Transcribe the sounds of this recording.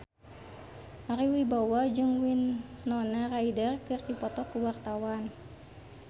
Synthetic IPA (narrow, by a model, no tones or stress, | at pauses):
maɾiwibawahd͡ʒɨŋwinːɔnaraidərkɨrdipɔt̪ɔkuwart̪awan